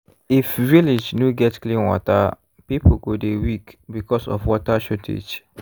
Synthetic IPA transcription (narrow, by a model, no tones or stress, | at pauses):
ifvilid͡ʒnuɡɛtklĩnwɔ̰ta̰ | pipʰoɡodewikbikɔsɔ̰fwɔtaʃotʰḛd͡ʒ